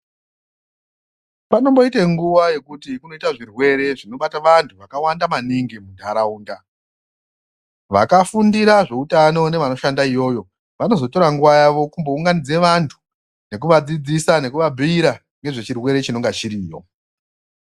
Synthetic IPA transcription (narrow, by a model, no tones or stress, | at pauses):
pano̞mbo̞ite̞ŋɡuʋaje̞kutikuno̞itaʐirwe̞ɾe̞ʐino̞ɓataʋantʰuʋakawandamaniŋɡimundʱaɾauːnda | ʋa̰kafundiɾaʐe̞utano̞ne̞ʋano̞ʃandaijo̞ːjo̞ | ʋano̞zo̞toɾaŋɡuʋajaʋo̞kumbo̞uŋɡanid͡zeʋantʰu̥ | ne̞k̬uʋad͡zid͡zisane̞kuʋabʱiiɾa | ŋɡe̞ʐe̞t͡ʃirwe̞ɾe̞t͡ʃino̞ŋɡat͡ʃiɾiːjo̞̰